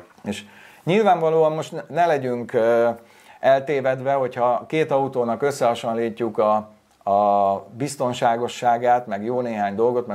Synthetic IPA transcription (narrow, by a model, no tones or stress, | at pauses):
eːʃ | ɲilvaːɱvɒloːɒmmo̞ʃt̪nnɛlɛɟyŋk | ɛlt̪eːvɛd̪ʋɛɦo̞chɒkeːt̪ɒut̪oːnɒkøsːɛɦɒʃonliːcːukɒː | bist̪o̞nʃaːɡo̞ʃːaːɡaːt̪mɛɡjoːneːɦaːɲd̪o̞lɡo̞t̪mɛ